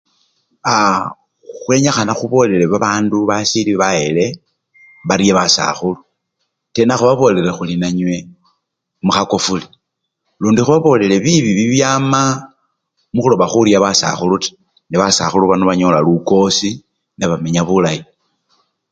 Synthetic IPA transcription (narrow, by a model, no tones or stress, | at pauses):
a | xwe̞ɲaxanaxuβo̞le̞leβaβaːnduβasiliβaele̞ | βaɾjeβasa̰xulu | te̞naxuβaβo̞le̞ɾexulinaɲwe̞ | muxako̞fuli | luːndixuβaβo̞ːle̞le̞βiβiβiβjaːma | muxulo̞βaxuɾjaβasa̰xuluti̥ | neβasa̰xuluβanoβaɲo̞laluko̞si | neβame̞ɲaβulai